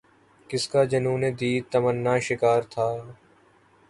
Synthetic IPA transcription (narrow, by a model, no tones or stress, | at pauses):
kɪskaːd͡ʒənuːnẽːd̪iːt̪əmənːãːʃɪkaːɾt̪ʰaː